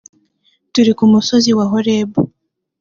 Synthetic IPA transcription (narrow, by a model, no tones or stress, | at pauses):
tuɾikumuso̞ziwaɦoɾeːbo